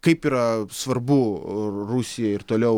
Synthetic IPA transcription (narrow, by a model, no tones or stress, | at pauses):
kɐɪpiːɾɐsʋɐrbʊrusʲɪjɛɪrt̪oːlʲɛʊ